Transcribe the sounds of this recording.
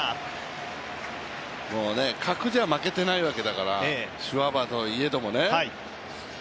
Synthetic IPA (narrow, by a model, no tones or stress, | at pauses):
moːne̞kʰakɯ̟d͡ʑamake̞t̪e̞naiβake̞d̪akaɾaeɕiβabat̪o̞ie̞d̪o̞mo̞ne̞ai